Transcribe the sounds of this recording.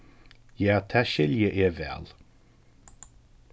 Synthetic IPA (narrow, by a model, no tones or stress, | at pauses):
jat̪ʰaʃɪljəʔɪːvɛ̰lˠ